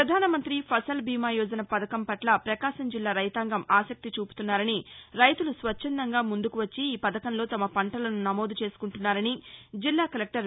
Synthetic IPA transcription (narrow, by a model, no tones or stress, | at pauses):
pɾɐd̪ʱaːnɐmɐnt̪ɾipʰɐsɐlbʱiːmaːjɔːd͡ʒɐnɐpɐd̪ɐkɐmpɐʈlɐpɾɐkaːʃɐmd͡ʒilːaːɾɐjt̪aːŋɡɐmaːsɐk̚t̪it͡ʃuːpu̥t̪unːaːɾɐniɾɐjt̪ulusʋɐt͡ʃːɐnd̪ɐŋɡaːmund̪ukuʋɐt͡ʃːiːpɐd̪ɐkɐnlo̞ːt̪ɐmɐpɐɳʈɐlɐnunɐmo̞ːd̪ut͡ʃe̞ːsu̥kuɳʈunːaːɾɐnid͡ʒilːaːkɐlek̚ʈɐɾ